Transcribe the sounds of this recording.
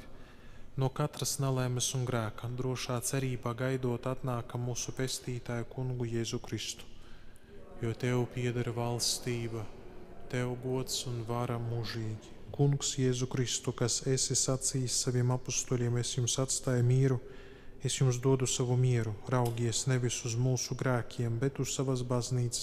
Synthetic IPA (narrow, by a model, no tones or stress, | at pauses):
nuɔkat̪ɾasnalˠamɨsunɡɾæːkad̪ɾuɔʃaːt̪sɛɾiːbaːɡajd̪uɔt̪at̪naːkamuːsupʲest̪iːt̪aːjukuŋɡujeːzukɾist̪u̥ | juɔt̪ʲewpʲiɛd̪aɾvalˠst̪iːbɐt̪ɛwɡuɔt̪sunvaɾamuʒiːɡʲi | kuŋksjeːzukɾist̪ukasesisat̪sijssavʲiɛmapust̪uːlʲiɛmesjumsat̪st̪aːjmʲiːɾu | esjumsd̪uɔd̪usavumʲiɛɾuɾawɡʲiɛsnevʲisuzmuːsuɡɾæːkʲʰiɛmbet̪ussavasbazniːt̪ss